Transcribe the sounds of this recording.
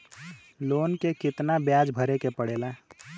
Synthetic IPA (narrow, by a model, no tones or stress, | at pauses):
loːnkekɪt̪nabjaːd͡ʒbʱəɾekepəɽeːla